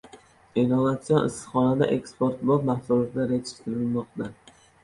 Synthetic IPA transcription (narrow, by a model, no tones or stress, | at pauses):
enovat̪sijɒnɪ̰st̪χɒnad̪a̰ʔekspoɾt̪bɒp̪mahsulˠat̪ʰɪd̪aɾet͡ʃkt̪ʰɪɾɪlmɒq̚t̪a